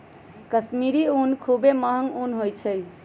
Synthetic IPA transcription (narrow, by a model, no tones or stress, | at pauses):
kəsmiɾiunkʰubeməɦəŋunɦojt͡ʃʰəj